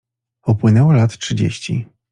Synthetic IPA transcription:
ɔpwɘnɛwɔlat̪tʂɘd͡ʑḛɕt͡ɕḭ

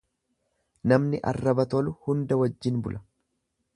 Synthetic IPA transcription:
nɐmnɪʔɐ̰rːɐbɐt̪ɔlʊhʊnd̪ɐwɐd͡ʒːɪnbʊlʔɐ

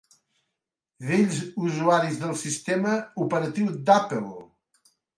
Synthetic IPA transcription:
ðeʎzuzuaɾizðəlˠsist̪eməupəɾət̪iwd̪apəlˠ

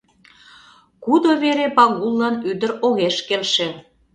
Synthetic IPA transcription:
kud̪oβeɾepɑɣulˠːɑnyd̪ə̆ɾoɣeʃkelʃe

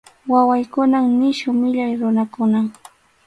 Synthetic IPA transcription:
wawajkʊnaŋnɪʃʊmɪʎajɾʊnakʊna

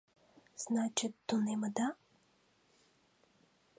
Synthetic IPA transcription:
z̥nat͡ʃɛt̪ːonɛməd̪a

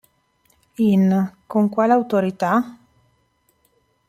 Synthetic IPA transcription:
inkoŋkwalawt̪oɾit̪a

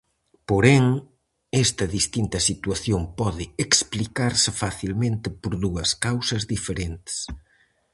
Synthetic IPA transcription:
poɾɛŋ | ɛst̪ɐðist̪int̪ɐsit̪waθjompɔðɪeksplikaɾsɪfaθilmẽnt̪ɪpoɾðuɐskawsɐzðifeɾent̪ɪ̥s

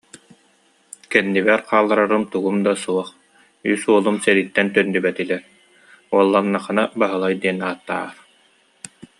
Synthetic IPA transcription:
kɛnːiβɛɾqaːlˠːaɾaɾɯmt̪uɡumd̪asuɔχ | ysuɔlˠumsɛd̪it̪ːɛnt̪œnd̪ybɛt̪ilɛɾ | uɔlˠːanːaχɯnabaɦɯlˠajd̪iɛnaːt̪ːa̰ːɾ

